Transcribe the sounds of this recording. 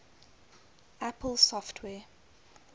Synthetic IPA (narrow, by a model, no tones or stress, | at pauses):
apəlˠsɔftʰwɛː